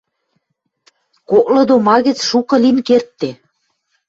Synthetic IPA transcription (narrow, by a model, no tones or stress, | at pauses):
kok̚lɤ̆d̪omɑɣə̆t͡sʃukɤ̆linkert̪ːe